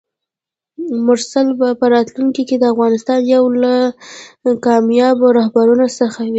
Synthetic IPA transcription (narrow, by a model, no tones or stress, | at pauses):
mʊɾsalbapəɾɑt̪luŋkiked̪əafɣɑnɪst̪ɑnjawla | kɑmjɑbaɾɑɦbaɾunosəxawi